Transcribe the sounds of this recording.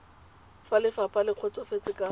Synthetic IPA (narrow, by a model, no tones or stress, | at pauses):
falɪfapʼalɪq͡χʰɔt͡sʼɔfet͡sʼɪkʼa